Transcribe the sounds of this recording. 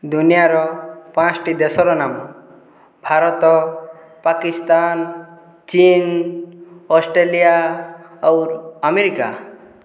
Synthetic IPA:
d̪unijaɾɔpãt͡ʃʈid̪esɔɾɔnamu | bʱaɾɔt̪ɔ | pakist̪an | t͡ʃin | ɔsʈɾelija | ɔwɾameɾika

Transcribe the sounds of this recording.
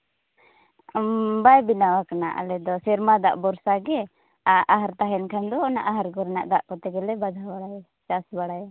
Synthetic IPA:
bajbinawakanaʔa̰lɛd̪ɔsɛɾmad̪a̰ʔbɔɾsaɡɛ | aʔaɦaɾt̪aɦɛnkʰamd̪ɔːnaʔaɦaɾɡɔɾɛna̰ʔd̪aʔkɔt̪ɛɡɛlɛbad̪ʱabaɽaj | t͡ʃasbaɽajɛ

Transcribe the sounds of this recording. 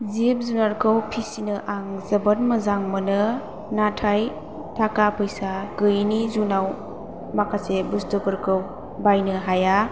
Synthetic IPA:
zep̚zunaɾkʰɯwpʰisinɯʔaŋzɐbənmɐzaŋmənɯ | natʰaj | tʰakapʰɯjsaɡɯjnizunaw | makʰasebustupɯɾkʰɯw | bajnɯɦaja

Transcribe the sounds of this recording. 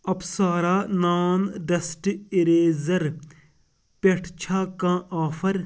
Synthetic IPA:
ɐpsaːɾaːnaːnɖɐsʈɪɾeːzɐɾ | peʈʰt͡ʃʰaːkãːʔaːfʰɐɾ

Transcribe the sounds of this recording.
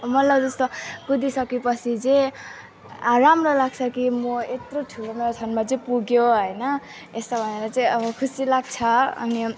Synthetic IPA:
mʌt̪lʌbd͡zʌst̪oɡud̪isʌkepʌt͡sʰid͡ze | aɾamrolaɡt͡sʰʌkimʌet̪roʈʰulomeɾotʰʌnmat͡sʌĩpuɡjoɦʌjnʌ | est̪ʌbʱʌneɾʌt͡sʌĩʌbʌkʰusilaɡ̚t͡sʰʌʌ̰ni

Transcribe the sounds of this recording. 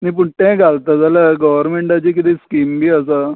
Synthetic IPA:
nip̬uɳʈẽɡʱalt̪ad͡zalaɡəʋəɾmeɳʈat͡ɕikit̪iskiːmbʱiːəs̬a

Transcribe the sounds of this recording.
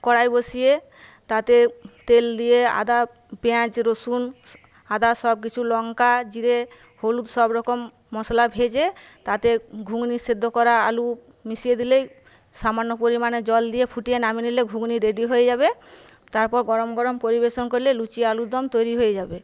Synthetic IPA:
kɔɽajbosie | t̪at̪et̪eld̪iea̰d̪a | peãt͡ʃɾosun | ad̪asɔb̚k̬it͡ʃʰulɔŋkad͡ʒiɾe | holud̪sɔbɾɔkɔmː | ɔslabʱed͡ʒet̪at̪eɡʱuɡnised̪ʱːɔkɔɾaːlu | misied̪ilej | samanːɔpoɾimaned͡ʒɔld̪iepʰuʈijenaminileɡʱuɡniɾeɖiɦojed͡ʒaβe | t̪aɾpɔɾɡɔɾɔmɡɔɾɔmpoɾibesɔnkoɾilelut͡ʃiealud̪ʱɔmt̪ojɾiɦoed͡ʒabe

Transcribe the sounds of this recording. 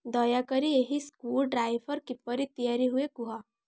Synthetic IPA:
d̪ɔjakəɾijeɦiskuːlɖɾaːiʋəɾkɪpːəɾit̪ijaːɾiɦuekuɦa

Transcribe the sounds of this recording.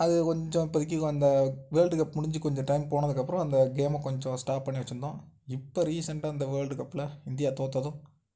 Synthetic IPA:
ɐðɯkɔɲd͡ʒɔ̃ɪpːɐðɪk̬ʲːɯkɐnd̪ɐʋeːlɖɯkɐpːmʊɽɪɲd͡ʒɯkɔɲd͡ʒɔ̃ʈɐɪmpoːɳɐðɯkːɐpːɯɾɔ̃ɐnd̪ɐɡeːmɐ̃kɔɲd͡ʒɔ̃sʈaːp̚pːɐɳːiʋɐt͡ʃːɯɾɯnd̪ãː | ɪpːoɾiːsɐɳʈaɐnd̪ɐʋeːɭɖɯkɐpːɪlɐɪnd̪ɪjaːt̪oːt̪ːɐðʊ̃

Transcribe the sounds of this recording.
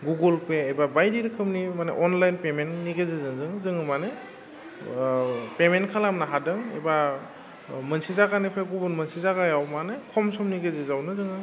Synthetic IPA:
ɡuɡɯlpeebabajdiɾɯkʰɯmnimanḛʔɔnlajnpementniɡezezɯŋzɯŋzɯŋɯmane | pementkʰalamnaɦadɯŋḛba | mɯnsizaɡanipʰeɡubɯnmɯnsizaɡajawmanekʰɔmsɔmniɡezezawnɯzɯŋɯ

